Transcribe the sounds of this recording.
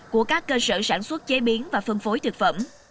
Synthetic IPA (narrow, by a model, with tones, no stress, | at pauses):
ku˧˩əkaː˦˥kːəː˧sɨ̰ː˧˨sa̰ː˧˩nswə˦˥t̚t͡ɕe˨˦ɓi˨˦ənvaː˨˩fɨ˧əŋfo˨˦jt̪ʰɨ˨˩k̚fə̰˧˩˨m